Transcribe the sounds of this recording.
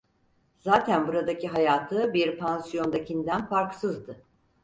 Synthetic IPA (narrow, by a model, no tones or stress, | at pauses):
zaːt̪ʰænbuɾad̪acʰiɦajaːt̪ʰɯbiɾpʰansijo̞nd̪acʰind̪ænfaɾksɯzd̪ɯ